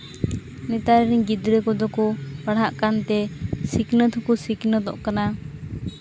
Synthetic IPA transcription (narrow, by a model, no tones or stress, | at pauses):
nɛt̪aɾɾiɲɡid̪ɾɛkɔd̪ɔkɔpaɽɦaʔkant̪ɛsiknət̪ʰukusiknəd̪ɔ̰ʔkana